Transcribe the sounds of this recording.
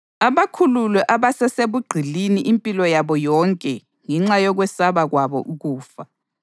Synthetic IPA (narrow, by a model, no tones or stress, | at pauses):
aβakʰululwɛʔaβasɛseβuɡ͡ǀʱiliniʔimpʼilɔjaβɔjɔŋkʼɛ | ŋɛŋ͡ǁajɔɣwɛsaβaɣwaβɔ̰ʔuɣuːfa